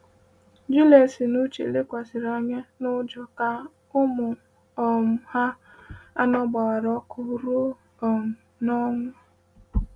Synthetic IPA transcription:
d͡ʒu˦le˨si˨nu˦t͡ʃḛ˨le˦kʷa˨sɪ˨ɾa˦ɲe˦nʊ˦d͡ʒɔ˨ka˦ | ʊ˦mʊ˨ | ɔ˨m̩˨ha˦ | a˦nɔ˦ɡ͡ba˨ɣa˨ɾɔ˦kʊ˦ɾʊ˦ | ɔ˨m̩˨ | nɔ˦ŋʷʊ˦

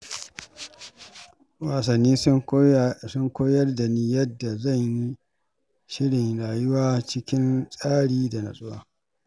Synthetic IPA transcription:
waː˨sɐ˨nːiː˦ | sʊ˦ŋkʷoː˦jɐ˦rda˨niː˦jɐ˦dːa˨zɐ˦˨ɲji˦ | ʃɪ˦ɽɪ˨ŋɽaː˨jʊ˦waː˦t͡ʃɪ˦kʲɪ˦nsʼaː˦ɽiː˦da˨na̰˨sʼʊ˦wa̰ː˦

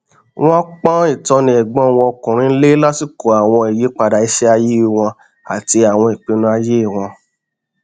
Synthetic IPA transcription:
w̃ɔ̃˦k͡pɔ̃˦i˦˨tɔ̃˧nĩ˧˨ɛ˨ɡ͡bɔ̃˦w̃ɔ̃˧kũ˨ɾ̃ĩ˧˦n̩˦le˦la˦ti˦˨ko˨a˨w̃ɔ̃˧i˨ji˨˦k͡pa˧da˨i˨˦ʃɛ˦a˧ji˦˨w̃ɔ̃˧ | a̰˨ti˧a˨w̃ɔ̃˧i˨k͡pe˨˧nũ˦a˧je˦i˦˨w̃ɔ̃˧

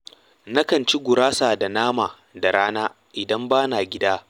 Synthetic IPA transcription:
nɐ˦kɐ˨nt͡ʃi˦ɡʷʊ˨ɾaː˦saː˨da˨naː˦maː˨ | da˨ɽaː˦naː˦ | ʔɪ˨dɐ˦mbaː˦naː˨ɡʲɪ˦daː˦

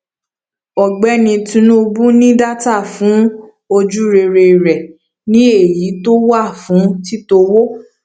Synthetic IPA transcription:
ɔ˨ɡ͡bɛ˨˦nĩ˧tũ˧˦nũ˦˧bũ˦nĩ˦da˦ta˦˨fũ˨˦ | o˧d͡ʒu˦ɾe˧ɾe˧i˨ɾɛ˨ | nĩ˦e˦˨ji˨˦to˦wa˦˨fũ˨˦ti˦to˧wo˦

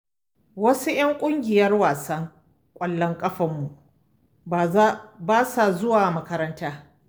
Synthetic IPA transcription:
wɐ˦su˦j̰ɐ˦ŋkʷʼʊ˦ŋɡʲɪ˨jɐ˦rwaː˨sɐ˦ŋ | kʷʼɐ˨lːɐ˦ŋkʼɐ˦ɸɐ˨mːu˨ʔ | baː˦sa˨zʊ˦waː˨mɐ˦kɐ˦ɾɐ˦ntaː˦

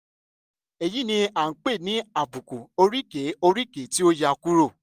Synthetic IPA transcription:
e˨ji˦nĩ˧a˨ŋ̩˨˦k͡pe˦˨nĩ˨˦a˦˨bu˨ku˨o˧ɾi˦ke˨˦o˧ɾi˦ke˨˦ti˦o˦ja˧ku˦ɾo˦˨

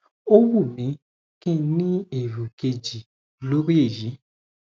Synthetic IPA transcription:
o˦wu˦˨mĩ˨˦ | kĩ˦nĩ˦e˨ɾu˨ke˧d͡ʒi˨ | lo˨˦ɾe˦e˦˨ji˨˦

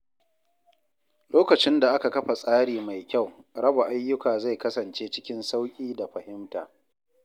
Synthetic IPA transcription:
loː˦kɐ˨t͡ʃɪ˦nda˨ʔa˦ka˨kɐ˦ɸa˨sʼaː˦ɽiː˨ma˨jkʲa˦˨wɽɐ˦ba˨ʔa˦jːʊ˦kaː˨za˦˨jkɐ˦sɐ˨nt͡ʃeː˦t͡ʃɪ˦kʲɪ˦nsa˦wkʲʼiː˦da˨ɸɐ˨hɪ˦mtaː˨

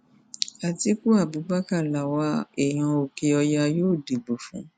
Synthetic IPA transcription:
a˨ti˧˦ku˦a˦˨bu˨˦ɡ͡ba˦ka˦˨la˨wa˧˦ɛ˦˨j̃ã˧o˨ke˧ɔ˧ja˧joː˦˨de˨ɡ͡bo˨fṵ̃˨˦

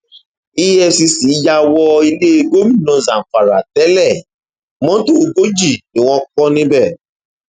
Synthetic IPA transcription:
i˦jɛ˧˨si˧si˨˦ja˧wɔ˧i˧le˦e˧ɡo˦mĩ˦˨nɔ̃˨˧zã˨fa˨ɾa˨tɛ˨˦lɛ˦˨ | mɔ̃˦to˦˨˧ɡo˦d͡ʒi˦˨ni˨w̃ɔ̃˧kɔ˧nĩ˧bɛ˦˨

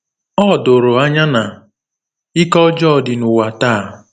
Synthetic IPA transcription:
ɔ˦˨do˨ɾo˨a˦ɲa˦na˨ | ɪ˦kɔ˦d͡ʒɔ˦˨dɪ˨nʊ˨wa˨taː˦˨

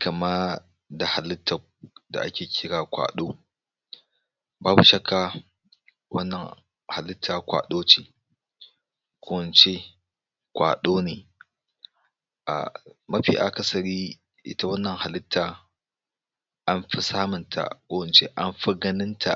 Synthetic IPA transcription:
kɐ˨ma˦ | da˨ha˨lɪ˦tʰːa˨ | da̰˨ʔa˦kʲeː˨kʲʰɪ˦ɽaː˨kʷa̰ː˨ɗoː˦ | baː˦bu˨ʃɐ˦kʰaː˨ | wɐ̰˦nːɐ˨ŋ | ha˨lɪ˦tʰːaː˨kʷa̰ː˨ɗoː˦t͡ʃeː˨ | kʷʰo˦˨nt͡ʃe˦ | kʷa̰ː˨ɗoː˦ne˨ | ʔa̰˨mɐ˦ɸḭ˨ʔa̰˨kɐ˦sɐ˨ɾi˦ | ʔɪ̰˦ta˦wɐ˦nːɐ˨ŋha˨lɪ˦tʰːaː˨ | ʔa˦mɸi˦saː˦mʊ˨ntʰa̰˨kʷo˦wnt͡ʃe˦ʔa˦mɸɐ˦ɡɐ˦nɪ˦ntʰa̰˨

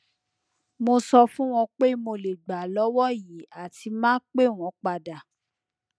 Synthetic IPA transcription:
mo˧sɔ˧fũ˦w̃ɔ̃˧k͡pe˦mo˧le˨ɡ͡ba˨lɔ˨˦wɔ˦ji˨˦a˦˨tʰi˧mãː˦k͡pe˦˨w̃ɔ̃˨˦k͡pa˧da˨

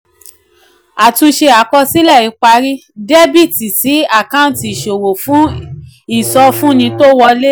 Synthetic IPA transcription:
a˨tũ˧ʃe˧a˨˦kɔ˧si˦lɛ˦˨i˨˧˦k͡pa˧˦ɾi˦ | de˦bi˦˨ti˨si˨˦a˦˨kã˦˨ti˨ʃo˨wo˨fũ˦ | i˦˨sɔ˧fũ˦nĩ˧to˦wɔ˧le˦

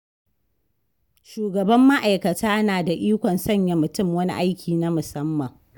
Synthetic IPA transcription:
ʃuː˨ɡɐ˨bɐ˦mːa˦ʔa˨jkɐ˨tʰaː˦naː˨da˨ʔiː˦kʷɔ˨nsɐ˦˨ɲja˨mʊ˨tʊ˦mwɐ˦nḭ˦ʔa˦jkʲiː˨na˦mʊ˨sɐ˦mːɐ˨ŋ

